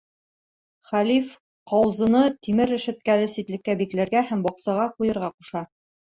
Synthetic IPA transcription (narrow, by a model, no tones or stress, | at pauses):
χælif | qɑwɤzɤ̆nɤt̪imɘɾɘ̆ʃɘ̆t̪̚kælɘsit̪lɘ̆kːæbiklæɾɡæhæmbɒqsɑʁɑqujɤ̆ɾʁɑquʃɑ